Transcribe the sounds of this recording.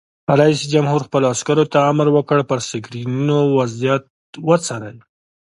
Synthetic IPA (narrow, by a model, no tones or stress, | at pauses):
ɾaisid͡ʒamhuɾxpəloaskaɾot̪aːmɾwəkəɽpəɾsɪɡɾinunowazjat̪̚ | wət͡saɾaj